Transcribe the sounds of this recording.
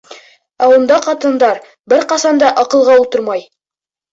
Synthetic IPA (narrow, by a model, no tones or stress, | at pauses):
æund̪ɑqɑt̪ɤ̆nd̪ɑɾ | bɘɾqɑsɑnd̪ɑʔɑqɤ̆lˠʁɑulˠt̪ɤɾmɑj